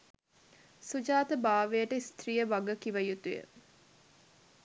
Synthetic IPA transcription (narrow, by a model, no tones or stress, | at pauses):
sud͡ʒaːt̪əbaːʋejəʈəist̪rijəʋaɡəkiʋɐjut̪ujə̰